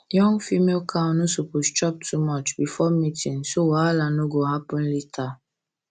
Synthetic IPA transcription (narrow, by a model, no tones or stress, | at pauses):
jɔ̃ŋfimelkʰãnosopost͡ʃɔp̚tʰumɔt͡ʃbifɔmitʰĩnsowalanoɡoɦapɔn̩litʰa